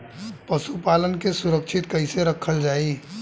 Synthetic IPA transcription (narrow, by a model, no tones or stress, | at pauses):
pəsupalənkesuɾəkt͡ʃʰɪt̪kəɪseɾəkʰəld͡ʒaːi